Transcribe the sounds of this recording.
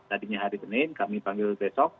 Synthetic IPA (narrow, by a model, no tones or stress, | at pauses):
t̪adiɲaɦaɾisənankamipaŋɡɪlt̪ɛsɔk̚